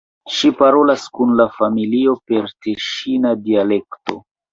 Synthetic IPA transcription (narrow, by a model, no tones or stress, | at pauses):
ʃipaɾo̞laskunlafamilio̞pe̞ɾteʃinadiale̞kto̞̰